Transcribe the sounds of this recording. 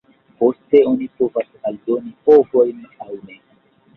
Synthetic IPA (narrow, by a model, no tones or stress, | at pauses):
po̞ste̞o̞nipo̞vasaldo̞nipovo̞jnawne̞